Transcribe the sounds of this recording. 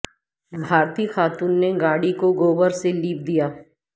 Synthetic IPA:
bʱaːɾt̪iːxaːt̪uːnːeɡaːɽikoɡoːbəɾseliːp̚d̪ijaː

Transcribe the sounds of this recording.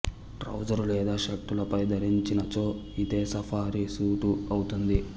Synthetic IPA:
ʈɾɐ̰wd͡ʒɐɾulɛːd̪aːʃekʈːulɐpɐjd̪ʱɐɾiɲt͡ʃinɐt͡ʃo̞ː | id̪eːsɐfʰaːɾisuːʈuɐwut̪und̪i

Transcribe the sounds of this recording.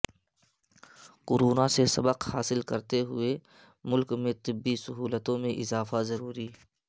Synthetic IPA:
qʊɾuːnasesɐbəqhaːsɪlkɐɾt̪eɦʊ̰e | mʊlkmẽt̪ɪbːisɐɦuːlət̪õmẽʔɪzaːfazɐɾuːɾiː

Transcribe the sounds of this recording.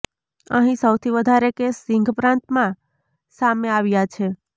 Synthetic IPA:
əɦĩsəwt̪ʰiʋəd̪ʱaɾekesɪŋɡʱpɾãnt̪mã | sameaʋjat͡ʃʰe

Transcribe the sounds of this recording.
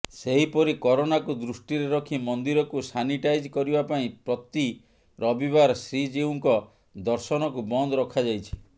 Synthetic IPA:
seɦipɔɾikɔɾonakud̪ɾusʈiɾeɾɔkʰimɔnd̪iɾɔkusaniʈajd͡ʒkɔɾibapaĩpɾɔt̪i | ɾɔbiβaɾɔsɾid͡ʒeuŋkɔ | d̪ɔɾsɔnɔkubɔnd̪ɔɾɔkʰad͡ʒajt͡ʃʰi̥

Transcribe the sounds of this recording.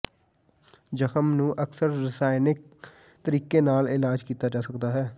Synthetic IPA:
d͡ʒəxəmnũːʔəksəɾːɪsaːɪnɪk̚ | t̪əɾiːkeːnaːlɪlaːd͡ʒkiːt̪aːd͡ʒaːsəkd̪aːɦɛː

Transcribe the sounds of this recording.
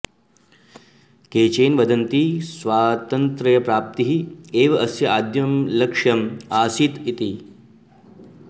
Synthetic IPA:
keːt͡ʃeːnʋɐd̪ɐnt̪isʋaːt̪ɐnt̪ɾɐjɐpɾaːp̚t̪iɦieːʋɐʔɐsjɐaːd̪jɐmlɐkʂjɐmaːsit̪it̪i

